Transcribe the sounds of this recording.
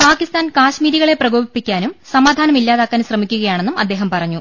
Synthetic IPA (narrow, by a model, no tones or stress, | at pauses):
paːkist̪aːnkaːɕmiːɾiɣɐɭe̞prɐɡoːbipːikʲːaːnumsɐmaːd̪ʱaːnɐmilːaːðaːkːaːnɕrɐmikʲːuɣɐjaːɳe̞nːumɐd̪ːe̞ːɦɐmpɐrɐɲːu